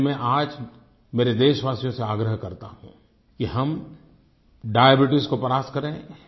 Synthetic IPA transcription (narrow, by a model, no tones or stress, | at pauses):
mẽʔaːd͡ʒ | meːɾed̪eːʃʋaːsijõseaːɡɾəɦkɐɾt̪a̰ɦṵ̃ː | kiɦɐm | ɖaːjəbɪʈɪskopɐɾaːskɐɾẽː